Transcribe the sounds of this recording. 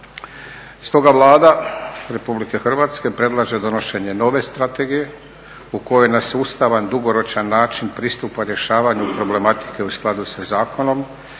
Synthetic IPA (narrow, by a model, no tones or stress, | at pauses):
st̪o̞ɡaʋlˠaːd̪aɾe̞publike̞xr̩ʋaːt̪ske̞pɾe̞d̪lˠaʒe̞d̪o̞no̞ʃe̞ɲe̞no̞ʋe̞st̪ɾat̪e̞ɡije̞ | uko̞jojnasust̪aʋand̪uɡo̞ɾo̞t͡ʃanːaːt͡ʃinpɾiːst̪upaɾje̞ʃaːʋaɲupɾo̞ble̞mat̪i̥ke̞usklˠad̪usazaːkʰo̞no̞m